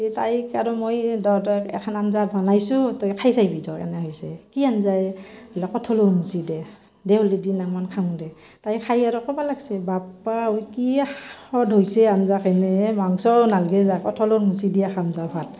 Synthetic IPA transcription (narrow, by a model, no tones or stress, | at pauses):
itajkaɾɔmojdɔtɔkɛ̰kʰananzabʱɔnajsutɔjkʰajsajbidɔka̰nɛɦɔjsɛkianzajlakɔtʰɔlɔmusidɛ | dɛulidinaŋmankʰaŋdɛ | tajkʰajaɾɔkʰɔbalaɡsɛbapaujkiɔdɦojsɛanzakʰɛnɛmaŋsɔnalɡɛzakɔtʰɔlomusidiakamzapʰat